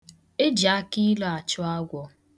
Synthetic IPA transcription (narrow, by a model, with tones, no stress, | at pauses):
e˦d͡ʒa˨˦ki˦lɔ˨a˨t͡ʃʊ˦a˦ɡʷɔ˦